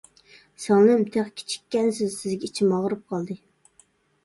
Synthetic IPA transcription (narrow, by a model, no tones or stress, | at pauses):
sɑŋnɨmt̪ʰeχkʲʰe̥t͡ʃʰi̥kʲːɛnsɪzsɪzɡʲɛit͡ʃʰimɑʁɾɨp̚qʰɑlˠd̪ɨ